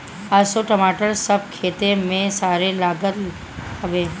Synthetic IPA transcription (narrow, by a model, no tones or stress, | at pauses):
asoʈəmaːʈəɾsəb̚ʱkʰeːt̪emẽsaːɾelaːɡət̪ | həʋeː